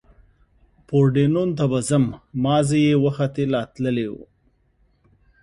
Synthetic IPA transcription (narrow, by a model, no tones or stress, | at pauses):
poɾɖenont̪abazəmːɑzejewaxat̪elɑt̪ləlewṵ